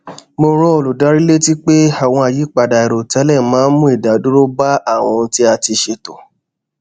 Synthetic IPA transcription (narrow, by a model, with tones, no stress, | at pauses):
mo˧ɾɔ˦o˨lu˨da˨˦ɾi˦le˦ti˦k͡pe˦a˦˨w̃ɔ̃˧a˨ji˨˦k͡pa˨da˨i˨ɾo˨tɛ˨˦lɛ˦˨mãː˨˦n˦mũ˦i˦˨da˨˦du˦ɾo˦ba˦a˦˨w̃ɔ̃˧n̩˦ti˦a˧ti˧ʃe˧to˨